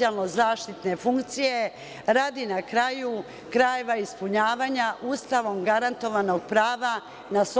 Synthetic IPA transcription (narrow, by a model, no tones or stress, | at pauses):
ialˠnozaːʃt̪it̪ne̞fuŋkt̪sije̞ | ɾaːd̪inakɾaju | kɾajeʋaispuɲaːʋaːɲaʔuːst̪aʋo̞mɡaɾant̪o̞ʋano̞ɡ̚pɾaːʋa | nas